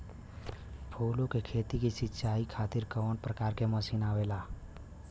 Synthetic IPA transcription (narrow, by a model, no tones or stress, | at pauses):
pʰolõkekʰeːt̪ikisɪtːʃaikʰaːt̪iɾkəʋənpɾəkaːɾkeməsinaːʋela